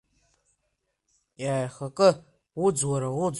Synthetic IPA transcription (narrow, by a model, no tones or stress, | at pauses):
jaːjχakʼɨ | wud͡zwaɾawud͡z